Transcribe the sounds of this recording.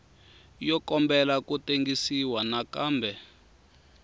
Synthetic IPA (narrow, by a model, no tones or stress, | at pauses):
jɔkɔmbɛlakuteŋɡisiwanakaːmbʱɛ